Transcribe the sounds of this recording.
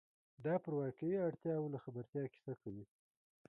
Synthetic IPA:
d̪ɑpəɾwɑkajiaɽt̪jɑwolaxabaɾt̪jɑki̥sakawi

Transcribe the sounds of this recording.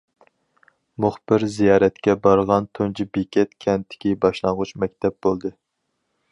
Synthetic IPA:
mʊχb̥ɪɾzijɑːɾɛt̪kʲɛbɑɾʁɑnt̪ʰont͡ʃʰibekʲɛt̪kʲʰɛnt̪ʰːɪ̥kʲibɑʃlˠɑŋʁʊt͡ʃmɛk̚ʲt̪ʰɛp̚bolˠd̪ɨ

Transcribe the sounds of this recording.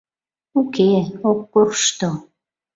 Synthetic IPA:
ukeokːorʃt̪o

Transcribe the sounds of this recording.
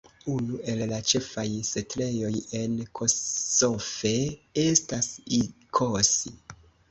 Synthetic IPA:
unue̞llat͡ʃe̞fajse̞tle̞jo̞je̞nkʰo̞sofe̞e̞stasikʰosi

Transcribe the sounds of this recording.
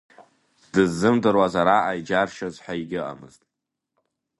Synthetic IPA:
d̥ɨzːɨmdɨrwazaɾaʔajd͡ʒarʃazħʷaiɡʲɪʔa̰mɨ̰ztʼ

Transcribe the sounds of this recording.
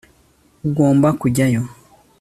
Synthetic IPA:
uɡoːmbakuɟajo

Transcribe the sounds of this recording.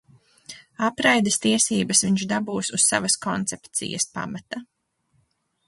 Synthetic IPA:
apɾajd̪est̪iɛsiːbɐsviɲt͡ʃd̪abuːsusːa̰vɐskɔnt̪sɛpt̪sḭjɐ̰spa̰mat̪a

